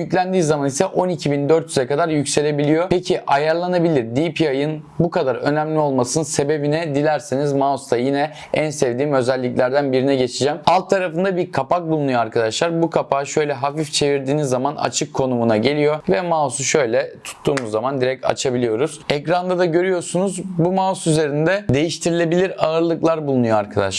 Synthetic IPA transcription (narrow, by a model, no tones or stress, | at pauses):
jyclʲænd̪iːzamanisɛʔo̞nicʰibind̪øɾt̪jyzɛkad̪aɾjycse̞lʲe̞bilʲijo̞pʰecʰiʔajaɾlˠanabilʲiɾd̪ipʰiajɯn | bukʰad̪aɾø̞̰næmlʲio̞lˠmasɯnɯnse̞be̞binɛd̪ilʲæɾsinizmaost̪ajinɛ | ænsɛvd̪iːmø̞zælʲːiclʲæɾd̪ænbiɾinɛɟe̞t͡ʃʰid͡ʒæmalˠt̪ʰːaɾafɯnd̪abiɾkʰapak̚bulˠunujo̞aɾkʰad̪aʃlˠaɾbukʰapaʃø̞jlʲɛɦafift͡ʃʰe̞viɾd̪iːnizːamana̰t͡ʃʰɯkʰːo̞numunaɟe̞lʲijo̞vɛmasuʃø̞jlʲɛt̪ʰu̥t̪ʰːuːmuzːamand̪iɾɛc̚t̪a̰t͡ʃʰabilʲijo̞ɾuz̥ɛcɾand̪ad̪aɟø̞ɾyjo̞sunuzbumasyze̞ɾind̪ɛd̪e̞jiʃt̪ʰiɾilʲe̞bilʲiɾaɯɾlˠɯklˠaɾbulˠunujoaɾkʰad̪a̰ʃlˠa